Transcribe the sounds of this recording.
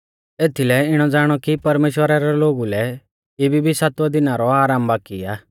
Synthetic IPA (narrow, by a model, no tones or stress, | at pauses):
eːt̪ʰilɛɪɽ̃ɔd͡zaːɽ̃ɔkipɐɾmeːʃwəɾaɾɛloːɡulɛ | ebʱibʱisaːt̪wad̪ɪnaɾɔaːɾaːmbaːkḭaː